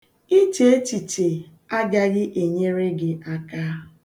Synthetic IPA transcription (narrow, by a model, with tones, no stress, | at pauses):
i˦te˨e˦ti˨te˨ | a˦ɡa˦ɣɪ˦ʔe˨ɲe˦ɾe˦ɡɪ˦a˦kaː˦